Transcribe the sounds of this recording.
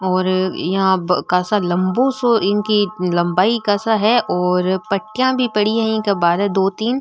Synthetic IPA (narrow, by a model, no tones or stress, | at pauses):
ɔːɾjɐɦãkaːsalɐ̃mbõsoʔɪnkilɐ̃mbaːikaːsaɦɛʔɔːɾpɐʈːɪjãbʱipɐɽiɦɛɪ̃nkabaːd̪ɦɛd̪oːt̪iːn